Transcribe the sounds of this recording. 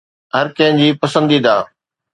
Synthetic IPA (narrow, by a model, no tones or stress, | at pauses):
ɦəɾkɐ̃ɦɪ̃d͡ʑiːpəsə̃nd̪iːd̪aː